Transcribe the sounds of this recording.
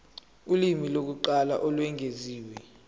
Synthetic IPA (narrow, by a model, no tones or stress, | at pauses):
ulimilok̬uǃalaʔɔlwɛŋʱeziːwɛ